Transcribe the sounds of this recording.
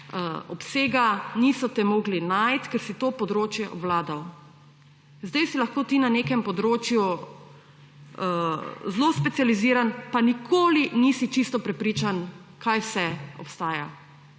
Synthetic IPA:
əɔpseːɡanisɔt̪ɛmoːɡlinajt̪kɛɾsit̪oːpɔd̪ɾoːt͡ʃjɛʔɔbwlaːd̪aw | zd̪ɛjsilaxkoːt̪inaneːkɛmpɔd̪ɾoːt͡ʃju | zlospɛt̪sializiːɾanpanikʰoːlinisit͡ʃist̪ɔpɾɛpɾiːt͡ʃan | kʰajsɛɔ̰pst̪aːja̰

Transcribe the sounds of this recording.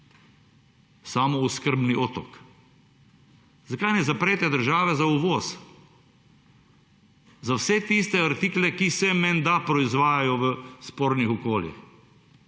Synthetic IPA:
saːmɔuskəɾbniʔɔt̪ɔ̰k | zakajnɛzapɾɛːt̪ɛd̪əɾʒaːʋɛzauʋɔːs | zawsɛt̪ist̪ɛaɾt̪iːklɛkisɛmɛnd̪apɾɔizʋaːjajɔʋəspoːɾnixɔkoːljḭx

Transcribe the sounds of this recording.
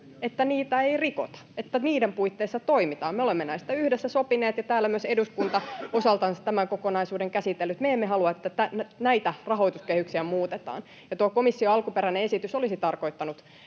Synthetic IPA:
et̪ːæniːt̪æeiriko̰t̪ɑ̥et̪ːæniːdempuit̪ːeisːɑt̪oimit̪ɑːmeolemːenæist̪æyhdesːæsopineːt̪jɑt̪æːlːæmyøseduskunt̪ɑosɑlt̪ɑnsɑ̥t̪æmæŋkokonɑisuːdeŋkæsit̪ːelːyt̪meemːeɦɑluɑet̪ːæt̪ænnæit̪ærɑɦoit̪uskehyksiæmuːt̪et̪ɑ̰ːn | jɑt̪uɑkomisːioɑlkupeɾæneesit̪ysolisit̪ɑrko̞it̪ːɑnut̪

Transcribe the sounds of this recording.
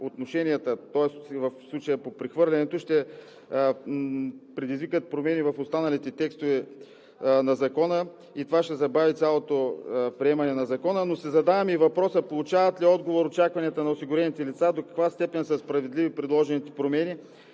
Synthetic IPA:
ot̪noʃɛnʲiət̪ət̪ɔɛsvɐfslˠut͡ʃəjəpopɾɛxvɤɾlʲɛnɛt̪oʃt̪ɛ | pɾɛd̪izvikət̪̚pɾomɛnivɐfost̪anɐlit̪ɛt̪ɛkst̪ovɛ | nɐzɐkɔnə | it̪ovaʃt̪ɛzɐbavit̪sʲjalˠot̪opɾiɛmɐnɛnɐzɐkɔnənosɛzɐd̪avɐmivɐpɾɔsəpolˠut͡ʃavɐt̪liɔd̪ɡovoɾot͡ʃakvɐniət̪ənɐosiɡʊɾɛnit̪ɛlit̪sad̪okɐ̥kvast̪ɛpɛnsəspɾɐvɛd̪livipɾɛd̪lˠɔʒɛnit̪ɛ̥pɾomɛni

